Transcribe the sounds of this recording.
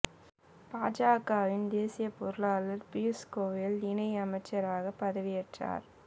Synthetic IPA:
paːd͡ʒaːkaːʋɪnd̪eːsɪjɐpɔɾɯlaːlɐɾpɪjʊskoːʋjɐlɪnɐɪɐmɐɪt͡ʃːɐɾaːɣɐpːɐðɐʋɪjɛʈra̰ːɾ

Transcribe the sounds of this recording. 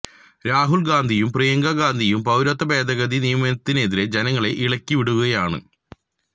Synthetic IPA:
ɾaːɦulɡaːnd̪ʱijumprijɐŋɡɐɡaːnd̪ʱijumpɐwɾɐt̪ːɐbe̞ːd̪ɐɣɐd̪inijɐmɐnɐt̪ːine̞ðiɾe̞d͡ʑenɐŋːɐɭe̞ʔiɭɐkʲːiʋiɽuɣuɣɐjaːɳɨ̰

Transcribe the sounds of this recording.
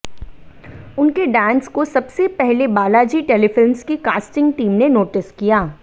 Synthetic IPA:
ʊnkeɖɛ̃ːnskosɐbsepɛɦlebaːlad͡ʒiːʈeːlefɪlmskikaːsʈɪ̃ŋɡʈiːmnenoːʈɪskijaː

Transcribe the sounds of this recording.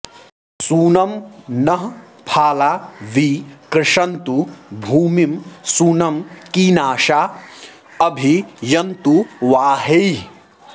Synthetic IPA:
suːnɐmnɐɦ | pʰaːlaːʋikɾɪʂɐnt̪ubʱuːmimsuːnɐmkiːnaːʃa | ɐbʱijɐnt̪uʋaːɦɐj

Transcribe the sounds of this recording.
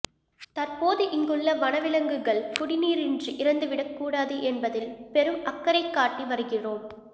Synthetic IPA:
t̪ɐrpoːðɯʔɪŋɡɯɭːɐʋɐnɐʋɪɭɐŋɡɯɣɐɭpʊɽɪniːɾɪndrɯʔɪɾɐnd̪ɯʋɪɽɐkːuːɽaːðɯʔɛnbɐðɪlpɛɾɯmɐkːɐɾɐɪkːaːʈːiʋɐɾɯɣɪroːm

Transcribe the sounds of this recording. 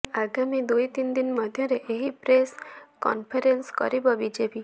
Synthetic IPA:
aɡamid̪ujt̪ind̪inmɔd̪ʱjɔɾeʔeɦipɾeskɔ̰npʰeɾenskɔ̰ɾibɔbid͡ʒepi

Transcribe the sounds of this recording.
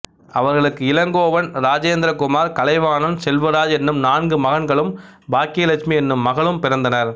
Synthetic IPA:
ɐʋɐɾɣɐɭɯkːɯɪlɐŋɡoːʋɐnɾaːd͡ʒeːnd̪ɾɐkʊmaːɾkɐlɐɪʋaːnɐnsɛlʋɐɾaːd͡ʒɛnːɯmnaːnɡɯmɐɣɐnɡɐɭɯmbaːkijɐlɐkʂmiɛnːɯmːɐɣɐɭɯmpɪɾɐnd̪ɐnɐɾ

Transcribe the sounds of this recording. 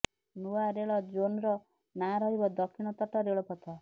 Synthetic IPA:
nuaɾeɭɔd͡ʒonɾɔ | naɾɔɦibɔd̪ɔkʰːiɽ̃ɔt̪ɔʈɔɾeɭɔpɔt̪ʰɔ

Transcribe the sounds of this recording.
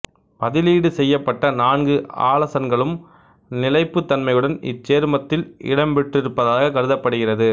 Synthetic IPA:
pɐðɪliːɽɯsɛjːɐpːɐʈːɐnaːnɡɯa̰ːlɐsɐnɡɐɭɯm | nɪlɐɪpːɯt̪ːɐnmɐjɯɽɐnɪ̰t͡ʃːeːɾmɐt̪ːɪlɪ̰ɽɐmbɛʈrɪɾɯpːɐðaːɣɐkɐɾɯðɐpːɐɽɯɣɪrɐðɯ

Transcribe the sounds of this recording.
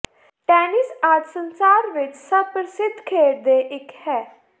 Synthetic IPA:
ʈɛːnɪsaːd͡ʒ̪sənsaːɾʋɪt͡ʃsəpɾsɪd̪ʱkʰeːɾd̪eːʔɪkhɛː

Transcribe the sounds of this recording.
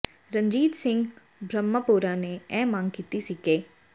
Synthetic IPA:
ɾəɲd͡ʒiːt̪sɪ̃ŋɡ | bʱɾəmːəpoːɾãːneɛ̃ːmãŋɡkiːt̪isiːkeː

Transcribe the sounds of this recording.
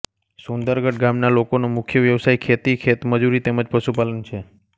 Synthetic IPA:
sund̪əɾɡəʈɡamnalokonomʊkʰjəʋjəʋsajkʰet̪ikʰet̪məd͡ʒuɾit̪eməd͡ʒpəʃupalənt͡ʃʰe

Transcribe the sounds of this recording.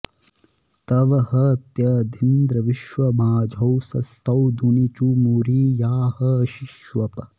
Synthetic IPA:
t̪ɐʋɐhɐɐt̪jɐd̪ʱind̪ɾɐʋiʃʋɐmaːd͡ʒʱɐwsɐst̪ʰɐwd̪ʱunit͡ʃumuɾiːjaːhɐːʃiʃʋɐpɐ

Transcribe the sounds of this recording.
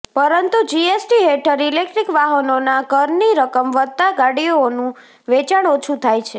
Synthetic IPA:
pəɾənt̪ud͡ʒiesʈiɦeʈʰəɾilek̚ʈɾikʋaɦənonakəɾniɾəkəmʋət̪aɡaɽijoːnũ | ʋet͡ʃaɳ̃ot͡ʃʰut̪ʰajt͡ʃʰe

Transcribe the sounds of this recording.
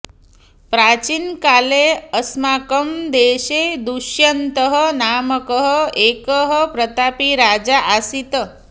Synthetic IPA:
pɾat͡ʃinkaleəsmakəmd̪eʃed̪uʃjənt̪əɦənaməkəɦəekəɦəpɾət̪apiɾad͡ʒaʔasit̪ə

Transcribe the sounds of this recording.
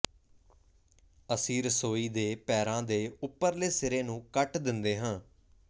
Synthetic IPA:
əsĩːɾəsoːiːd̪eːpɛːɾãːd̪eːʊpːəɾleːsɪɾeːnũːkəʈd̪ɪnd̪eːɦãː

